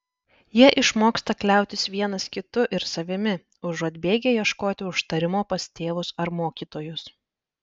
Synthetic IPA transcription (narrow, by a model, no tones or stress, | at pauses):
jiɛʔɪʃmoːkst̪ɐklʲæˑʊt̪ʲɪsʋʲiɛnɐskʲɪt̪ʊʔɪɾsɐʋʲɪmʲɪ | ʊʒɔd̪ʲbʲeːɡʲejiɛʃkoːt̪ʲɪʊʃt̪ɐɾʲɪmoːpɐst̪ʲeːʋʊsɐɾmoːkʲiːt̪oːjʊs